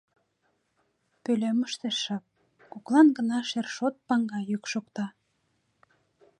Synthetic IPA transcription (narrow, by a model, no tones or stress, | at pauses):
pølʲeməʃt̪eʃɑp̚ | koklɑnɡənɑʃerʃot̪̚pɑŋɡɑjykʃokt̪ɑ